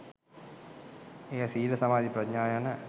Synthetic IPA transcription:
eɐsiːlɐsɐmaːðipɾɐtɲaːjanɐ

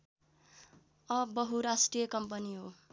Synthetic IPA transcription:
ʌbʌɦuɾasʈrijʌkʌmpʌniɦo

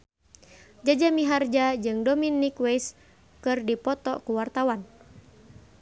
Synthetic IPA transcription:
d͡ʒad͡ʒamiɦard͡ʒad͡ʒɨŋdɔminːikwejs | kɨrdipɔt̪ɔ̰kuwart̪awan

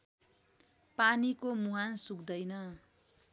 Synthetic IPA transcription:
panikomuɦansukd̪ʌjnʌ

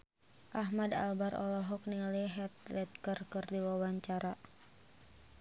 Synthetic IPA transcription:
ʔaɦmada̰lbaɾɔ̰lɔɦɔk̚niliɦɛt̪̚lɛt̪̚kərkɨrdiwawaɲt͡ʃaɾa

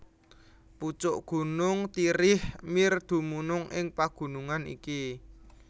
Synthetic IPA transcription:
put͡ʃʊʔɡ̥ṳnʊŋt̪iɾɪhmird̪̥ṳmunʊŋɪŋpaɡ̥ṳnuŋanḭki

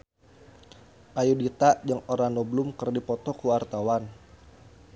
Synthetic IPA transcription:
ʔajudit̪aʔd͡ʒəŋoɾanɔblʊmkərdipɔt̪ɔkuart̪awan

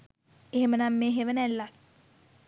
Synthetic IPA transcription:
eɦemənamːeːɦeʋənælːa

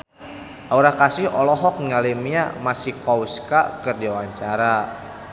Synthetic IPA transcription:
ʔauɾahkasɪhɔlɔɦɔk̚ŋalimɲamasihkɔuska̰kɨrdiwaɲt͡ʃaɾa

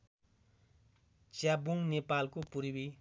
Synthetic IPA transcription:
t͡ɕabuŋnepalkopuɾwi

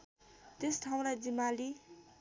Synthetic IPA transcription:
t̪esʈʰaw̃ɾad͡zimali

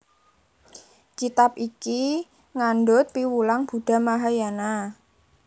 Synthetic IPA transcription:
kit̪ap̚iki | ŋanɖʊt̪̚piwulaŋb̥ṳd̥a̤maɦajana

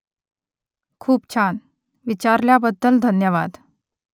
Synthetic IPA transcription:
kʰuːpt͡ɕʰan | ʋit͡ɕaɾljabəd̪ːəld̪ʱənjəʋad̪

